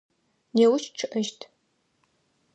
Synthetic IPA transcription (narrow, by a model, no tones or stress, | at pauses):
jewʊʃʈ͡ʂʰɨʔɐʃtʰ